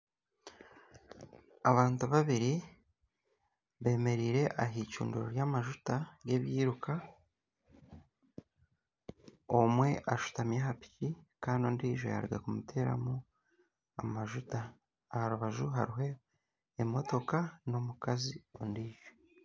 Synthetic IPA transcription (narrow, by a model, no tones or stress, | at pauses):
aβaːntuβaβiɾi | βe̞ːme̞ɾiːɾe̞ʔaɦiːcṵːnduɾoɾjamaʒutaɡe̞βjiːɾukʰa | omwe̞ʔaʃu̥tamjaɦapi̥cikaːnio̞ːndiːʒo̞̰ja̰ɾɡa̰kumute̞ːɾa̰mu | a̰maʒutaː | haɾuβaʒuɦa̰ɾiɦe̞ː | mo̞to̞kano̞mukazio̞̰ndiːʒ̥o